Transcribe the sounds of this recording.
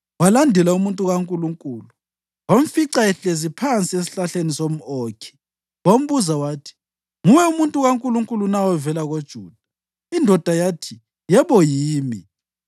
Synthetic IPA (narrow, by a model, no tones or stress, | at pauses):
walandʱɛlaumuntʼuɣaŋkʼuluŋkʼuːlu | wam̩fiǀaɛɬezipʰant͡sʼies̬i̥ɬaɬenisom̩ɔːkʰɛ̥ | wom̩βuzawaːtʰi̥ | ŋuwɛumuntʼuɣaŋkʼuluŋkʼulunawɛvɛlaɣod̥ʒ̥ʱuːd̥ʱa | indʱɔd̥ʱajatʰi | jɛβɔjiːmi